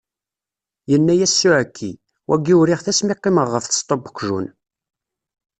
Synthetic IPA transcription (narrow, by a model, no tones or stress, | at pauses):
jənːæjæsːuʕækʰːi | wʔæɡiwɾiʁθæsmiqːiməʁːəfθə̥st̪ˤobə̥kʷːʒṵn